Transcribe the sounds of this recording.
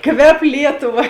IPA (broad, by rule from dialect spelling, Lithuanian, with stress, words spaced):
ˈkʋʲɛp ˈlʲiɛtʊˌʋɐ